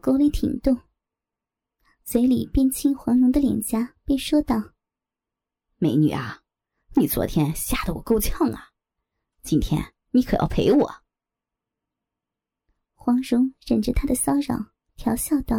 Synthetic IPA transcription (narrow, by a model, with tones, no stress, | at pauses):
ko˥ʊli˥˩t̪ʰḭ˨˩ŋt̪ʊ˥˩ | swe˧˥ɪli˨˩pjɛ˥˩nt͡ɕʰi˥ŋxwɑ˧˥ŋɻʊ˧˥ŋd̪ə˧ljɛ̰˨˩nt͡ɕja˥pe˥˩ɪʂwɔ˥t̪ɑ˥˩ʊ | me˧˥ɪny̰˨˩ɐ˦ | ni˨˩t͡swɔ̰˧˥t̪ʰjɛ˥nɕja˥˩d̪ə˨˩wɔ˨˩ko˥ʊt͡ɕʰjɑ˥˩ŋɐ˩ | t͡ɕi˥nt̪ʰjɛ̰˥n | ni˨˧˥kʰɤ˨˩jɑ̰˥˩ʊpʰe˧˥ɪwɔ̰˨˩˦ | xwɑ˧˥ŋɻʊ˧˥ŋɻə˨˩nʈ͡ʂə˥˩t̪ʰa˥d̪ə˨ɕɑ˥ʊɻɑ̰˨˩˦ʊ | t̪ʰjɑ˧˥ʊɕjɑ˥˧ʊt̪ɑ˥˩